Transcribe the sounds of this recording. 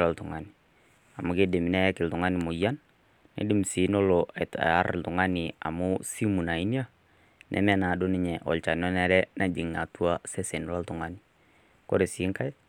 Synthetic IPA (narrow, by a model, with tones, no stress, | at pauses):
la˨ltʊ˨ŋa˨ni˨ | a˨mu˨ke˦dɪ˨m˨nɛ˦kɪ˨ltu˨ŋa˦nɪ˨mʊ˨ja˦nː | ɛ̰˨˦dɪ˦m˨si˨˦no˦loɛ˨ta̰˦ɾltu˨ŋa˦nɪ˨a̰˨mʊ˦si˦mu˨na˨i˦ni˦a˦ | nʔɛ̰˨˦mɛ˦na˨do˦nɪ˦ɲɛ˨ʔɔ̰˨lt͡ʃa˨nɔ˦nɛ˦ɾɛ˦na˨d͡ʒi˨ŋna˨tu˦a˦sɛ˦sɛ˨n˨la˦ltʊ˨ŋa˦ni | kɔ˦ɾe˨si˨˦ŋka˦j